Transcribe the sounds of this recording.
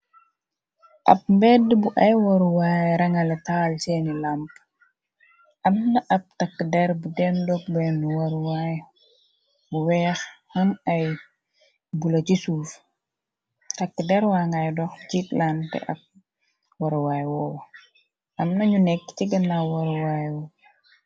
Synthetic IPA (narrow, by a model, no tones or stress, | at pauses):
ʔɐ̰p̚mbɛdbuʔɐjwɐɾwajɾɐŋɐlɛtalt͡ʃɛnilamp | ʔɐmnɐʔɐp̚takːədɛɾbudɛndɔk̚bɛnuwɐɾwaj | buwɛːxhɐnɐj | bulɐt͡ʃisuːf | tɐkːədɛɾwaːŋɡajdɔxt͡ʃitlantɛ̰ʔɐ̰k̚ | wɐɾwaːjwɔw | ɐmnɐɲunɛkːt͡ʃiɡɐnːawɐɾwaːjwɔ